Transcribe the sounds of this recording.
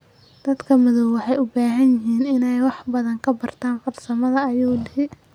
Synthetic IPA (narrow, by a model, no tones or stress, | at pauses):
d̪̥ɐd̪kʰɐmɪðɔwwɑħɑjʊbaːɦɐnjɪɦiːnɪnɛjwɑħbɐðɐŋkʰɐbɐrt̪ʰaːnfɐrsɐmɐðɐːjuːlɪhɪ